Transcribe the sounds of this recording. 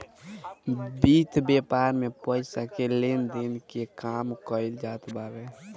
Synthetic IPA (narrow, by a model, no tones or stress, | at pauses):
bit̪ʰbepaɾmepəɪsakelend̪enkekamkəɪld͡ʒaːt̪baːbe